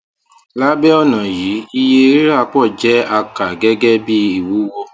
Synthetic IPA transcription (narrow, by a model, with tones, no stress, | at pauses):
la˦bɛ˦ɔ˦nã˨ji˨˦i˧je˧˦ɾa˦˧˦k͡pɔ˦˨d͡ʒɛ˦a˧ka˨ɡɛ˦ɡɛ˦bi˦i˦˨wu˨˦wo˧